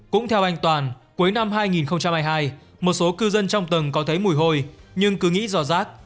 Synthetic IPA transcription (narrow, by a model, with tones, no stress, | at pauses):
kʊ̰˧˥ŋ͡mt̪ʰɛ˧wʔa˧jŋ̟t̪waː˨˩nku˨˦əjna˧mɦaː˧jŋi˨˩nxə˧wŋ͡mt͡ɕa˧mhaː˧jɦaː˧j | mo˨˩t̚so˨˦kɨ˧zə˧nt͡ɕɔ˧wŋ͡mt̪ə˨˩ŋkɔ˨˦t̪ʰə˨˦jmu˨˩əjɦo˧jɲɨ˧ŋkɨ˨˦ŋḭ˧˥zɔ˧˩zaː˦˥k̚